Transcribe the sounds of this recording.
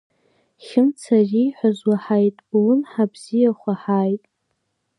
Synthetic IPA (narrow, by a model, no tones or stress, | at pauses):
χʲɪmt͡sʰarijħʷazwaħajtʼlʊnħabzijaχʷaħaːjtʼ